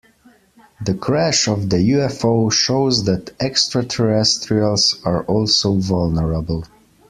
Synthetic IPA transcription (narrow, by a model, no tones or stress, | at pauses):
ðəkʰɹæʃɔvðəjuɛfoʊʃoʊzðætɛkstɹatʰə˞ɛstɹiəlˠzaɹʔɔlˠsoʊvʌlˠnəɹəbəl̩ˠ